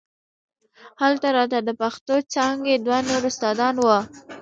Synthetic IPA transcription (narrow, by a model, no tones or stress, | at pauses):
halt̪aɾɑt̪ad̪əpaxt̪ot͡sɑŋɡed̪wanoɾʊst̪ɑd̪ɑnwə